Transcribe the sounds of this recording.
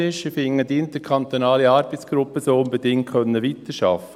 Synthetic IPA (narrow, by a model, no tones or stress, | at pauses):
ɪʃifɪŋːədɪnt̪əkʰɑnt̪onɑːliɑːɾbət͡sɡ̥ɾʊpəsoːʊnbədɪŋt̚kʰœnːəʋit̪əʃɑ̰fə